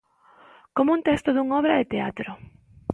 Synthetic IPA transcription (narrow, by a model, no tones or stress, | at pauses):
komʊunt̪ɛst̪ʊðuŋɔβɾaðɪt̪eat̪ɾʊ